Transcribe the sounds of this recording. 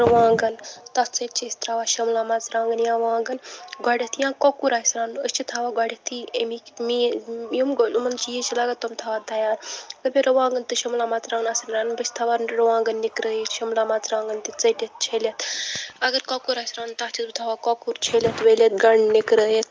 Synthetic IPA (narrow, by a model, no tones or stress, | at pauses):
ɾɐʋãːŋɡɐnt̪ɐt͡sɐjt̪̚t͡ʃʰest̪ʰɾaʋaːʃɐmlaːmat͡sɾãːŋɡɐnjãːʋãːɡɐnɡaːɽʲet̪ʰijãːkɔkuɾaːjsɾãːnuəst͡ʃit̪ʰaʋaːɡaɽʲet̪ʰiemikmijimɡolumɐnt͡ʃijet͡ʃilaɡat̪ːɐmt̪ʰaʋaːd̪ɐjaːɾkɐbʲeɾɐʋãːŋɡɐnt̪ɨʃɐmlaːmaːt͡sɾãːɡənasɐnɾaːnubɐsʲt̪ʰaʋanɾʋãːŋɡənːikɾəjeʃɐmlaːmat͡sɾãːŋɡɐnt̪it͡sɐdʲet̪̚t͡ʃʰelet̪ɐɡəɾkɔkuɾaːjsɾaːnt̪at͡ʃit̪ut̪ʰaʋaːkɔkuɾt͡ʃʰelʲet̪weːlet̪̚ɡɐɳnikɾəːjet̪̚